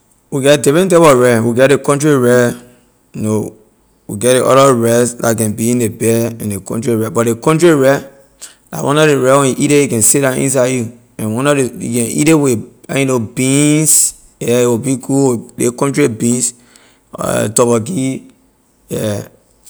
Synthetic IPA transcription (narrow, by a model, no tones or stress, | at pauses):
wiɡɛdifɹɛ̃ntɛbɔɹɛ̃wiɡɛt̚dekɔ̃ntɹiɹɛ | juno | wḭɡɛtdeʔɔ̰ɾɔɹɛsdakɛ̃nbiĩndebɛɛ̰̃ndekɔ̰̃ntɹiɹɛbɔt̚dekɔ̃ntɹiɹɛ | da̰wʔɔ̰̃nɔdeɹɛwɛ̃njuʔiɾejukɛ̃nsitdãḭ̃ns̬aɪju | ɛ̃nwɔ̃nɔdejṵkɛ̃nʔḭɾewiɛinobĩns | jɛiwibiɡuwdḛkɔ̃ntɹibĩns | tɔbɔɡi | jɛ